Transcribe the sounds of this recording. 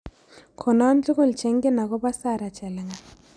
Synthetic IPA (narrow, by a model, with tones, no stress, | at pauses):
kʰɔ˨na˦nt͡ɬʊ˦kʊ˦˨lt͡ʃe˨˦ŋɡɪ˦na˨kɔ˦pa˦sa˦˨ɾa˨t͡ʃɛ˨lɪ˨ŋa˨